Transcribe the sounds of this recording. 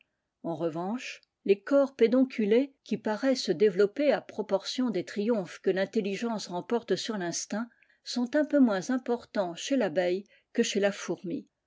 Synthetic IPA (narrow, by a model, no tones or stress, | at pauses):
ɑ̃ʁəvɑ̃ʃ | lekɔʁped̪ɔ̃kʲʰylekʲipaʁɛsəd̪evlɔpeapχɔpɔʁsjɔ̃d̪et̪χijɔ̃fkəlɛ̃t̪eliʒɑ̃sʁɑ̃pɔʁt̪syʁlɛ̃st̪ɛ̃ | sɔ̃t̪ɛ̃pømwɛ̃zɛ̃pɔʁt̪ɑ̃ʃelabɛj | kəʃelafuʁmi